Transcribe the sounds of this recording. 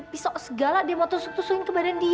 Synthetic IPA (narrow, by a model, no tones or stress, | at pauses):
pisɔʔsəɡaladiamɔt̪ɔsuk̚t̪usuɪŋkəbadandi